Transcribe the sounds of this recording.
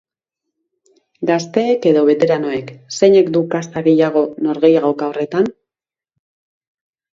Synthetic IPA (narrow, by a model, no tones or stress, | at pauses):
ɡast̪e̞ːke̞ðo̞βe̞t̪e̞ɾano̞e̞kse̞ɲe̞kd̪ukast̪aɣe̞jaɣ̞o̞no̞ɾɣe̞jaɣawkao̞re̞t̪an